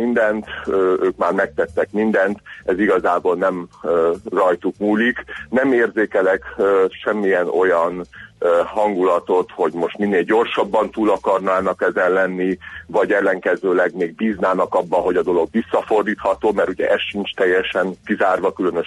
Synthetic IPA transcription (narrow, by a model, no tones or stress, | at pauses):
mind̪ɛnt̪øøːkmaːrmɛk̚t̪ɛt̪ːɛkmind̪ɛnt̪ɛziɡɒzaːbolnɛm | rɒjt̪ukmuːliknɛmeːrzeːkɛlɛkøʃɛmːijɛno̞jɒn | hɒŋɡulɒt̪o̞t̪ho̞ɟmo̞ʃt̪minːeːlɟo̞rʃɒbːɒnt̪uːlɒkɒrnaːnɒkɛzɛnlɛnːivɒɟɛlːɛŋkɛzøːlɛɡmeːɡ̚biznaːnɒkɒbːɒɦo̞ɟɒd̪o̞lo̞ɡʋisːɒfo̞rd̪iːt̪hɒt̪oːmɛɾuɟɛ̰ʔɛsʃint͡ʃt̪ɛjːɛʃɛŋkizaːrʋɒkylønøʃ